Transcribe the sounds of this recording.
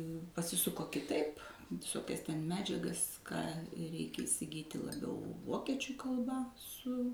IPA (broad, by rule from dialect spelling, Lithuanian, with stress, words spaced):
pɐsʲɪˈsʊkoː kʲɪˈtɐɪp ʋʲɪˈsoːkʲɛs tʲɛn ˈmʲæːd͡ʒʲɛɡɐs ˈkɑː ˈrʲɛɪkʲɛ ɪsʲɪˈɡʲiːtʲɪ lˠɐˈbʲɛʊ ˈʋoːkʲiɛt͡ʃʲʊ kɐlˠˈbɐ ˈsʊ